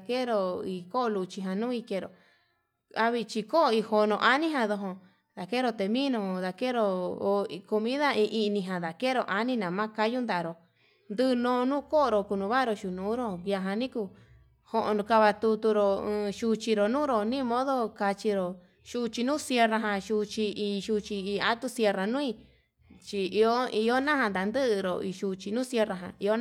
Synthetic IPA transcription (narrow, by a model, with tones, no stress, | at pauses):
ke˦˧ɾo˧i˧˨ko˦o˧lu˧t͡ʃi˧ɦã˧˨nũː˦i˧ke˧ɾo̰˨ | a˧βi˧t͡ʃi˧ko˦˧i˧ho˧nõ˧ʔa˦nĩ˦ɦã˧ðo˧ɦõ˧˨ | d̪a˨ke˦ɾo˧t̪e˨mĩ˦nõ˧˨ða˨ke˦ɾo˧ | ko˧mĩ˦ða˦ĩ˧ʔi˧nĩ˧ɦã˨ða˨ke˦ɾo˧ʔa˧nĩ˦nã˨mã˦ka˦ju˦nd̪a˧˨˧ɾo˨ | nd̪ɨ˦˧nõː˧nũː˦ko˦o˧ɾo˧ku˧nũ˧βa˦˧ɾo˧ʃu˨nũː˨˦ɾo˦˧˨ja˧ɦã˧nĩ˦ku˧ | ho˧ʔõ˧nũ˧ka˧βa˧t̪u˧t̪u˧ɾõ˧ʃu˧t͡ʃi˧ɾo˨nũː˦ɾo˨nĩ˦˧mõ˦ðo˦ka˧t͡ʃi˧ɾo˨ | ʃu˧t͡ʃi˧nũː˦sje˧ra˧ɦã˧ʃu˧t͡ʃi˧i˧ʃu˧t͡ʃi˧i˧a˦t̪u˦sje˧ra˨nũː˦i˧ | t͡ʃi˧i˧o˦i˧o˦nã˦hã˧nd̪a˨nd̪ɨ˦ʔɾo̰˧˨i˧ʃu˧t͡ʃi˧nũ˦sje˧ra˧ɦã̰˨i˧o˦